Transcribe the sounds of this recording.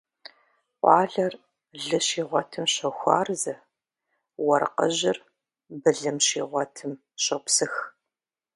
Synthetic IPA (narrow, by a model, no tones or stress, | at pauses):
qʷɑːɮɐr | ɮɨɕiːʁʷɔtʰɨmɕɐxʷɑ̰ːrzɐ | wɐrqə̰ʑɪr | bɨɮɨmɕḭːʁʷɔtʰɨm | ɕɐpsɨx